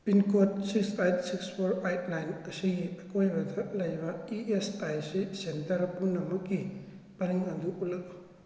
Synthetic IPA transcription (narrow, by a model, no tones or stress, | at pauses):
pinkʰot̚siksajt̚sikspʰoɾajt̚najnɐsiɡiɐkojbɐtʰɐlɐjbɐiestajsisentɐɾpunːɐmukɡi | pɐniŋɐnduulɐk